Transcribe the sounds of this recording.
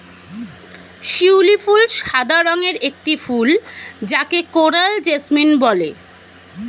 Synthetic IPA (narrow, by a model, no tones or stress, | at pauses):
ʃiwlifulʃad̪ʱaɾoŋeɾek̚ʈifuld͡ʑakekoɾald͡ʑesminbɔle